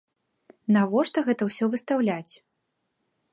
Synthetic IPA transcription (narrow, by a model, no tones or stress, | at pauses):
navɔʂt̪ɐɣɛt̪ɐwsʲɔvɨst̪awlʲat͡sʲ